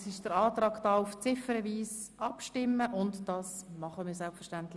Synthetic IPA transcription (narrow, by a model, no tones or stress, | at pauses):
sɪʃd̥əɾɑːtɾɑːɡd̥ɑːuft͡sɪfəɾɛʋiːs | ɑpʃtɪmːəʔʊntd̥ɑːsmɑχəmɪːɾsɛlpfəʃtæntlɪ